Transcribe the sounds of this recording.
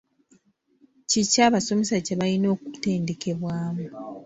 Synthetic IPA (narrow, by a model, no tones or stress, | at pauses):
cicaːβaso̞mesaceβajino̞ːkute̞ːnde̞kʰe̞βwaːmu